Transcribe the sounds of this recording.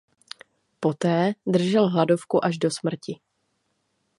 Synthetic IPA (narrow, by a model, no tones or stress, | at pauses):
po̞t̪ɛːd̪r̩ʒɛlɦlado̞fkuʔaʒdo̞smr̩cɪ